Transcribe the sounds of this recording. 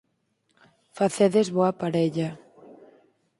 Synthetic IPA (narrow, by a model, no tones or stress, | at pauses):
faθeðezβoapaɾeʎa